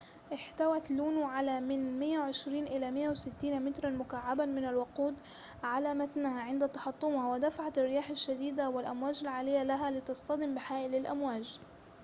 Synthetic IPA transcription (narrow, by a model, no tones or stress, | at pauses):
ʔɪħt̪awat̪luːnuʕalamɪnmɪjːawʕɪʃɾiːnʔɪlamɪjːawɪsɪt̪ːiːnamɪt̪ɾˤɑmʊkaʕːabamɪnalwaquːd̪ | ʕalamat̪nahaʕɪnd̪at̪ɑħɑt̪ˤːʊmhawɪd̪afaʕat̪rːɪjaːħaʃːad̪iːd̪awɪlʔamwaːd͡ʒalʕaːlɪjːalaɦalɪt̪ɑsˤt̪ɑd̪ɪmbɪħaːʔɪlɪlʔa̰mwaːd͡ʒ